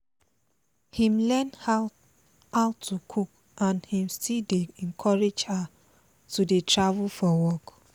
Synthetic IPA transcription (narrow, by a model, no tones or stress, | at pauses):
hĩmlɛ̃nha | haʊtʰukʰuk | ʔãnhĩmstildeɛ̃nkʰɔɹed͡ʒha | tudetʰɹavulfɔwɔk